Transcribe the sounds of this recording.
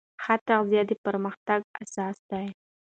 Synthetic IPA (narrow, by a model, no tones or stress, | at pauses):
xat̪aʁzjɑd̪əpəɾməxt̪aɡa̰sɑsd̪aj